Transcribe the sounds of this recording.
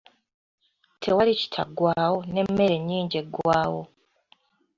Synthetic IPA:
tʰe̞walici̥tʰa̰ɡwaːwo̞ne̞mːe̞ɾe̞ɲːiːɲɟe̞ɡwaːwo

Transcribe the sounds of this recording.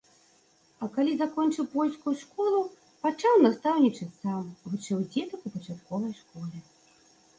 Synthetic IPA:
ɐkalʲizakɔnt͡ʂɨwpɔlʲskujʂkɔlˠu | pat͡ʂawnast̪awnʲit͡ʂɐt͡sʲsamvɨt͡ʂɨwd͡zʲɛt̪ɐkupɐt͡ʂat̪kɔvɐjʂkɔlʲɛ

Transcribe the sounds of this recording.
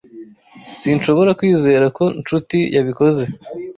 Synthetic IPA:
sinʃo̞βo̞ɾakwiːze̞ːɾako̞nt͡ʃutijaβiko̞ze̞

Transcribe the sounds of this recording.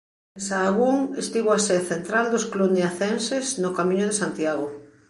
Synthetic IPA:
esaːɣuŋest̪iβoaseθent̪ɾald̪osklunjaθensesnokamĩɲoðesant̪jaɣo

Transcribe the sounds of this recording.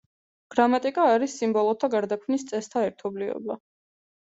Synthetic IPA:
ɡ̥ɾamat̪ʼikʼaːɾisːimbɔlˠɔt̪ʰaɡaɾd̪akʰmnist̪sʼɛst̪ʰaɛɾt̪ʰɔblivɛ̰ba

